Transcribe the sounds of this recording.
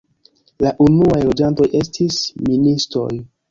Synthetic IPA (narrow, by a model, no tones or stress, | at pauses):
laʔunuajlo̞d͡ʒanto̞jʔe̞stʰisministɾo̞̰j